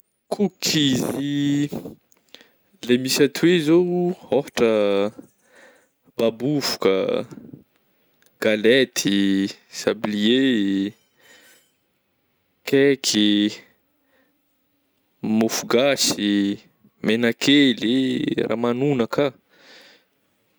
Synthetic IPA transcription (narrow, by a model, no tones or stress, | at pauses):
kʰukʰizi | lemisat̪ʰuwezoofḁʈ͡ʂə | babufu̥kə̰ | ɡ̥alet̪ʰisablie | kekʰi | mofuɡasi | menakʰelerʔa̰ːmanunaka